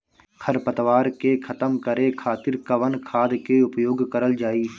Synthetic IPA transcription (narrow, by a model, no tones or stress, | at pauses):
kʰəɾpət̪ʋaːɾkekʰət̪əmkəɾekʰaːt̪ɪɾkəʋənkʰaːd̪keʊpjoːɡkəɾəld͡ʒaːiː